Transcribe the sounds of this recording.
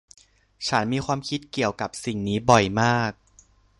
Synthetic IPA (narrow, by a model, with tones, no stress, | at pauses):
t͡ɕʰa˦˥nmiː˧xʰwaː˧mkʰi˦˥t̪̚ki˨˩əwka˨˩p̚si˨˩ŋniː˦˥bɔ˨˩jmaː˥˩k̚